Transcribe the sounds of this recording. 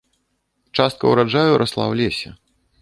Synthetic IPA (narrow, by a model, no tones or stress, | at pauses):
t͡ʂast̪̚kɐ̰wɾad͡ʐajuɾʔɐslˠa̰wlʲesʲɐ